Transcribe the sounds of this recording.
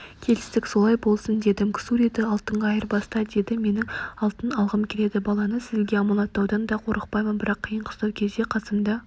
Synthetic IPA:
kʲʰe̞lɪst̪ɪkso̞lˠɑjbo̞lˠsənd̪e̞d̪ɪmkʲʰɪ̥suɾed̪ɪɑlˠt̪əɴʁɑɑjəɾbɑst̪ɑd̪e̞d̪ɪme̞nɪŋɑlˠt̪ənɑlˠʁəmkʲʰeɾe̞d̪ɪbɑlˠɑnəsɪzɡʲeɑmɑlˠɑt̪ːɑwd̪ɑnd̪ɑqʰo̞ɾəq̚pɑjmənbɪɾɑqʰːijəɴqʰə̥st̪ɑwkʲʰe̞zd̪e̞qʰɑsəmd̪ɑ

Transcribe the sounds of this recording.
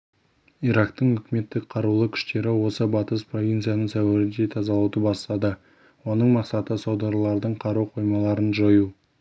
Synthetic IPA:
ijɾɑkt̪əɴʏkʲɪme̞t̪ːɪk̚qʰɑɾulˠəkʲʰʏ̥ʃt̪e̞ɾɪwo̞səbɑt̪əspro̞vʲijnt̪sɨjanəɴsæwæɾɪnd̪e̞t̪ʰɑzɑlˠɑwd̪əbɑst̪ɑd̪ə | wo̞nəɴmɑqsɑt̪əsowd̪oɾlˠɑɾd̪əɴqʰɑɾuwqʰo̞jmɑlˠɑɾənʒoju

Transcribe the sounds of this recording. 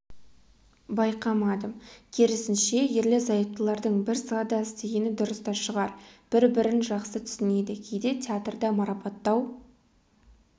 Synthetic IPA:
bɑjqɑmɑd̪əmkʲʰeɾɪsɪnʃe̞jeɾlezɑjəp̚t̪əlˠɑɾd̪əɴbɪɾsɑd̪ɑst̪eɡʲenɪd̪ʊɾəst̪ɑʃəʁɑɾb̥ɪɾbɪɾɪnʒɑqsət̪ʰʏ̥sɪned̪ɪkʲʰejd̪e̞t̪ʰʲeat̪rd̪ɑmɑɾɑpɑt̪ːɑw

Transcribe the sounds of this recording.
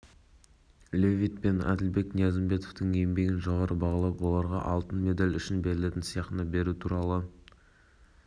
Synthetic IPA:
lʲevʲijt̪̚pe̞næ̰d̪ɪlbe̞knijɑzɪmbe̞t̪oft̪əŋembe̞ɡʲɪnʒoʁɑɾəbɑʁɑlˠɑpwo̞lˠɑɾʁɑʔɑlˠt̪ənme̞d̪alʲʏʃɪnbe̞ɾɪle̞t̪ɪnsijɑqənəbe̞ɾut̪ʰuɾɑlˠə

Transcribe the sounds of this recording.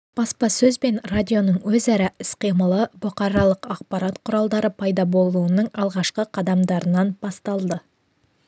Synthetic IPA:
b̥ɑspɑsɵzbe̞nradʲijo̞nəɴwɵzæɾɪɪsqijməlˠəbʊqɑɾɑlˠəqɑq̚pɑɾɑt̪qʰʊɾɑlˠd̪ɑɾəpʰɑjd̪ɑbo̞lˠuənəɴɑlˠʁɑʃqəqʰɑd̪ɑmd̪ɑɾənɑnb̥ɑst̪ɑlˠd̪ə

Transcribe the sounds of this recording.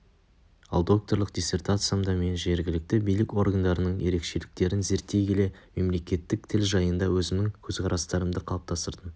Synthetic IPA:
ɑ̰lˠd̪o̞k̚t̪o̞ɾlˠəq̚d̪̥ʲijsʲe̞rt̪at̪sɨjamd̪ɑme̞nʒe̞ɾɡʲɪlɪk̚t̪ɪbijlɪkwo̞ɾɡənd̪ɑɾənəɴje̞ɾe̞kʃe̞lɪk̚t̪e̞ɾɪnze̞ɾt̪ːe̞jkʲʰe̞le̞ | me̞mle̞kʲe̞t̪ːɪk̚t̪ʰɪlʒɑjənd̪ɑwɵzɪmnɪŋkʲʰɵzqʰɑɾɑst̪ɑɾəmd̪əqʰɑlˠɑp̚t̪ʰɑst̪əɾd̪ə

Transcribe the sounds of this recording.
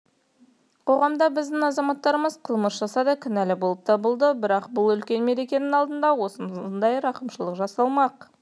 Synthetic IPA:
qʰo̞ʁɑmd̪ɑbɪzd̪ɪŋɑzɑmɑt̪ːɑɾəməzqʰəlˠməsʒ̥ɑsɑd̪ɑkʲʰʏnælɪbo̞lˠəp̚t̪ʰɑbəlˠd̪əbɪɾɑqbʊlˠʏlkʲe̞nme̞ɾe̞kʲe̞nɪŋɑlˠd̪ənd̪ɑwo̞səmnd̪ɑjɾɑqəmʃəlˠəqʒɑsɑlˠmɑq

